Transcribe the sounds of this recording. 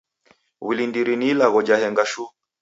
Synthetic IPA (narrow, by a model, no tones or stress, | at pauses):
wilindiɾiniːlaɣɔd͡ʒahɛŋɡaʃu